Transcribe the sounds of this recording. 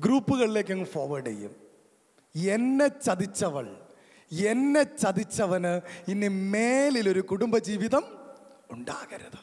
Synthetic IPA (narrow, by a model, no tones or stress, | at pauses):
ɡɾuːpːuɣɐɭile̞ːk̬ʲːɐnːfoːʋɐɖḛjːṵm | e̞nːet͡ɕɐðit͡ɕːɐʋɐɭ | e̞nːet͡ɕɐd̪it͡ɕːɐʋɐnɨinːimeːlilo̞ɾukuɽumbɐd͡ʑiːʋiðɐm | uɳɖa̰ːɣɐɾɐðɨ̥